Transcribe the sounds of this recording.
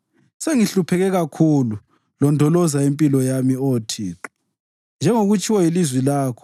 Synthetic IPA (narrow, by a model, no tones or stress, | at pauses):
seŋiɬupʰɛɣɛɣakʰulu | lɔndʱɔlɔzaempʼilɔjamioːtʰḭǁ | nd͡ʒʱɛŋoɣut͡ʃʼiwailizwilaːkʰɔ̥